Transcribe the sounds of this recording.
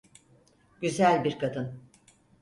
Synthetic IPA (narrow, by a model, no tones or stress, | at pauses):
ɟ̥yzælʲbiɾkʰad̪ɯn